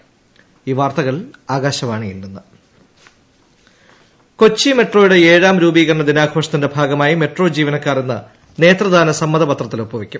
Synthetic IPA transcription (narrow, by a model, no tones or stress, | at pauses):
iːʋaːrt̪ɐɣɐɭaːɡaːɕɐʋaːɳɨjilːunːɨ | ko̞t͡ɕːime̞ʈro̞ːjɽe̞eːɻaːmɾuːbiːɣɐrɐɳɐd̪inaːɡʰʱo̞ːʂɐt̪ːinde̞bʱaːɡɐmaːjime̞ʈro̞ːd͡ʑiːʋɐnɐkːaːrunːɐ̰ | ne̞ːt̪rɐðaːnɐsɐmːɐðɐbɐt̪rɐt̪ːilopːɐʋikʲːum